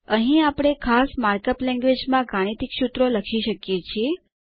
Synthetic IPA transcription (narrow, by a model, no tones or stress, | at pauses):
əɦĩapɽ̃ekʰasmaɾkəplɛ̃ŋɡʋed͡ʒmãɡaɽ̃it̪ikʃut̪ɾoləkʰiʃəkjet͡ʃʰie